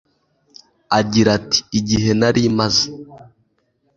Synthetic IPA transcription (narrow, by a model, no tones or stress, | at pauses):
aɟiɾati̥ːɟiɦe̞naɾimaze